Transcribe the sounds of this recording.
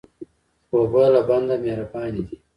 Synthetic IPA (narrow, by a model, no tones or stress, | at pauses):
pobalaband̪ameɾapaːnid̪i